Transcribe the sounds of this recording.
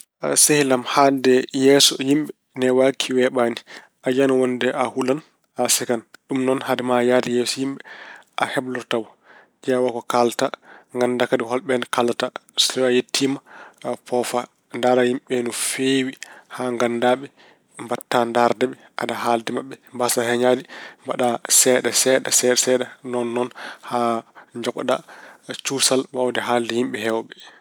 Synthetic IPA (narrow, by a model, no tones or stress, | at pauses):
sehilamhaldɛjɛsɔjimɓɛ | nɛwakʰiwɛɓani | ʔad͡ʒanɔwɔndɛʔahulan | asɛkanɗumnɔnhadɛmajadɛjɛsɔjimɓɛʔa̰hɛblɔɾtawɔ | d͡ʒawakɔkaltaŋɡandakadiɦɔlɓɛnkalatastɔwajetʰːimapɔfa | ndaːɾahimɓɛnufewihaŋɡandaɓɛ | mbatːandaɾdɛɓɛ | ʔadaɦaldɛmaɓːɛmbasahɛɲadimbaɗasɛɗasɛɗasɛɗsɛɗanɔnːɔnhaɲd͡ʒɔkɗat͡ʃusalbawdɛɦaldɛhimɓɛhɛwɓɛ